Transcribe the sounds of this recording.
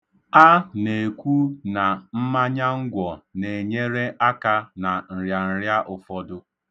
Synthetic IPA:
a˦ne˨kʷu˦na˨m̩˦ma˦ɲa˦ŋ̩˦ɡʷɔ˨ne˨ɲe˦ɾe˦ʔa˦ka˦na˨n̩˨ɾja˨n̩˨ɾja˦ʔʊ˨fɔ˦dʊ˦

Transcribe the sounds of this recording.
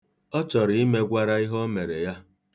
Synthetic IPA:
ɔ˦t͡ʃɔ˨ɾi˦me˦ɡʷa˦ɾa˦i˦ɦɔ˦me˨ɾḛ˨ja˦

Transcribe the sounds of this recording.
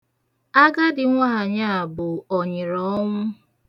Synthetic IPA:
a˦ɡa˦dɪ˨ŋʷaː˦a˨ɲa˦˨bʊ˨ɔ˨ɲɪ˨ɾɔ˦ŋʷʊ˦

